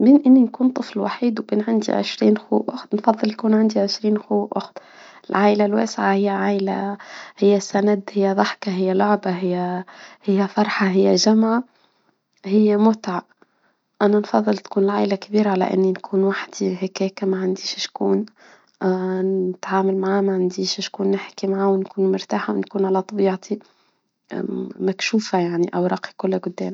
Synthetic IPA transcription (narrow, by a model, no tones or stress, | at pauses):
mɪnʔɪnːinkuːnt̪ˤɨflwa̰ħiːd̪wkinʕand̪ḭʕɪ̰ʃɾiːnxuːʔʊxt̪nfɑðˤːɨljkuːnʕand̪iʕɪʃɾiːnxuːʔʊxt̪ | ɪlʕaːʔlalwḛːsʕahɪjːaʕaːʔla̰hɪjːæsːanad̪hɪjːaðˤɑħkaɦɪjːalʊʕbaɦɪjːæhɪjːæfɑɾˤħɑɦɪjːaʒamʕa | hɪjːamʊt̪ʕa | ʔænanfɑðˤːɨlt̪kuːnɪlʕaːʔlakbiːɾaʕalæ̰ʔɪ̰nːinkʰuːnwaħd̪iɦakɛːkamaʕand̪iːʃʃkuːn | ɪt̪ʕaːmalmaʕaːmaʕand̪iːʃʃkuːnːɪħkimaʕaːwnkuːnmʊɾt̪aːħawnkuːnʕalæt̪ˤɑbiːʕt̪ʰi | makʃuːfajaʕniʔawɾˤɑːqi̥kʊlːɡʊd̪ːɛːm